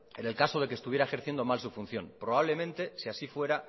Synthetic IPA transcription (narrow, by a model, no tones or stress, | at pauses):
e̞ne̞lkaso̞ð̞e̞kest̪uβjeɾae̞xeɾθjend̪o̞malsufun̟θjõ̞̰npɾo̞β̞aβle̞mẽnt̪e̞siasifwe̞ɾa